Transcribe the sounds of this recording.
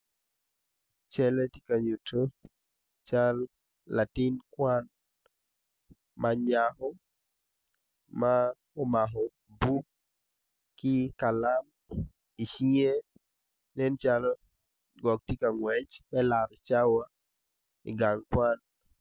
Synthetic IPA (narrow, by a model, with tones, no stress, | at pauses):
t͡ʃɛ˦lɛ˦tika˨ɲu˨tʰo | t͡ʃalː | a˨ti˦nkwan | maɲahɔ˦ | ma | ɔ˦maɦɔ | bu˦ | kɪ˦ka˨lam | i˨ʃi˦e˦ | nɛ˦nt͡ʃalɔ | ɡɔ˨k̚ti˦ka˨ŋwɛt͡ʃmɛ˦la˨ɾt͡ʃa˦wa | ḭɡaŋkwa˦n